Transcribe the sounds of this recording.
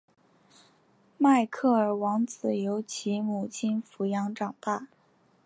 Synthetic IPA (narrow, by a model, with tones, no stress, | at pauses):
ma˥˧ɪkʰɤ˥˩ə˞˨˩wɑ˧˥ŋt͡sɹ̩˨˩jo˧˥ʊt͡ɕʰi˧˥mu˨˩t͡ɕʰi˥nfu˧˥jɑ˧˥ŋʈ͡ʂɑ˨˩ŋt̪a˥˩